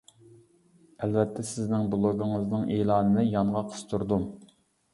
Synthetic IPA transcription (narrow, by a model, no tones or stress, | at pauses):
ɛlvɛt̪ʰːɛsɪznɪŋb̪olˠoɡʊŋəznɨŋʔeːlˠɑːnɨnɨjɑŋʁɑqʰə̥st̪ʰuɾd̪um